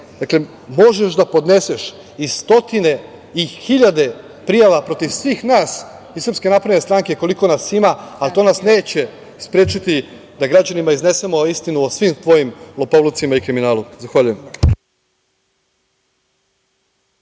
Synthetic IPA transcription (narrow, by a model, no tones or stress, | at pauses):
d̪akle̞ | mo̞ʒeʃd̪apo̞d̪ne̞seʃ | ist̪o̞t̪ine̞ | ixiʎad̪e̞ | pɾijaʋapɾo̞t̪iʋsʋiːxnaːs | isɾrpske̞napɾenest̪ɾaŋkeko̞liko̞nasimaat̪o̞nasneːt͡ɕe̞ | spɾeːt͡ʃit̪i | d̪aɡɾad͡ʑanimaizne̞se̞moist̪inuosʋimt̪ʋo̞jimlopoʋlˠut̪simaikɾiminaːlˠumzaxʋaʎujem